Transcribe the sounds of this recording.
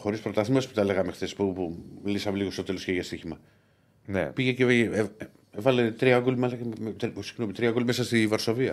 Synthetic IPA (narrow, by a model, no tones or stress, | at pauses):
xo̞ɾispɾo̞t̪ɐθimɐsput̪ɐleɣɐmexθe̞spupumlisɐmeliɣost̪o̞t̪e̞lo̞sceʝɐst̪içimɐ | nḛpiʝece | vɐlet̪ɾiɐkulimɐlɐt̪ɾisiɣnomit̪ɾiɐkulimesɐst̪ivɐɾso̞viɐ